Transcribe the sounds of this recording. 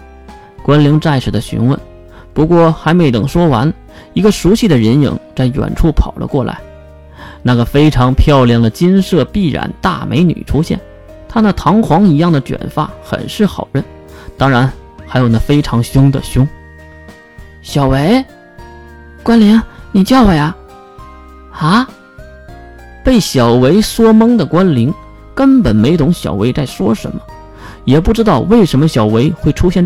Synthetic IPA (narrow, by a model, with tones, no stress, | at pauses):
kwa˥nli˧˥ŋt͡sa˥˩ɪʂ̩˨˩d̪ə˦ɕy̰˧˥nwə̰˥˩n | pu˧˥kwɔ˥˩xa˧˥ɪme˧˥ɪt̪ɤ˨˩ŋʂwɔ˥wa˧˥n | i˧˥ɡə˧ʂu˧˥ɕi˥˩d̪ə˩ɻə˧˥njḭ˧˥ŋt͡sa˥˩ɪɥ̰nʈ͡ʂʰu˥˩pʰɑ˨˩ʊlə̰˦kwɔ˥˩la̰˧˥ɪ | na˥˩ɡə˩fe˥ɪʈ͡ʂʰɑ˧˥ŋpʰjɑ˥˧ʊljɑ˥˩ŋd̪ə˩t͡ɕi˥nʂɤ˥˧pi˥˩ɻa̰˨˧˩nt̪a̰˥˩mʔḛ˧˥ɪny̰˨˩ʈ͡ʂʰu˥ɕjɛ̰˥˩n | t̪ʰa˥d̪ə˨t̪ʰɑ˧˥ŋxwɑ˧˥ŋi˧˥jɑ˥˩ŋd̪ə˩t͡ɕɥɛ̰˨˩nfa˥˩xə̰˨˩nʂɻ̩˥˩xɑ˨˩ʊɻə˥˩n | t̪ɑ˥ŋɻa˧˥n | xa˧˥ɪjo˨˩ʊna˥˩fe˥ɪʈ͡ʂʰɑ˧˥ŋɕjʊ˥ŋd̪ə̰˨ɕjʊ˥ŋ | ɕjɑ˨˩ʊwe˧˥ɪ | kwa˥nli˧˥ŋni˨˩t͡ɕjɑ˥˩ʊwə˨˩ja˧˩ | a˧˥ | pe˥˩ɪɕjɑ˨˩ʊwe˧˥ɪswɔ˥mɤ˥ŋd̪ə˨kwa˥nli˧˥ŋ | kə˥npə˨˩nme˧˥ɪt̪ʰʊ˧˥ŋɕjɑ̰˨˩ʊwe˧˥ɪt͡sa˥˩ɪʂwɔ˥ʂə̰˧˥nmə˧ | jɛ˨˩p̬u˥˩ʈ͡ʂɻ̩˥t̪ɑ˥˧ʊwe˥˩ɪʂə˧˥nmə˧ɕjɑ˨˩ʊwe˧˥ɪxwe˥˩ɪʈ͡ʂʰu˥ɕjɛ˥˩n